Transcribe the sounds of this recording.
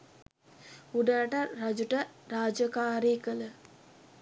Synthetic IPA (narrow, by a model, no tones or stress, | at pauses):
uɖəɾaʈərad͡ʒuʈəɾaːd͡ʒəkaːɾiːkələ